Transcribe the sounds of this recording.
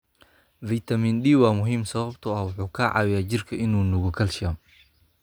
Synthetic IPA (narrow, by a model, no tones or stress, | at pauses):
viːt̪ʰɐmiːndiːwɑːmʊɦiːmsɐβɐbt̪ʰʊɐhwʊħuːkʰɐʕɑ̰ːwɪjaːt͡ʃɪrkʰɐʔɪnuːnʊɣʊkʰɐlʃɐm